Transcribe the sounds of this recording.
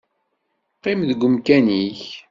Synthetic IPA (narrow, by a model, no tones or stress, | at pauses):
qːemðəɡʷːʊmkæniç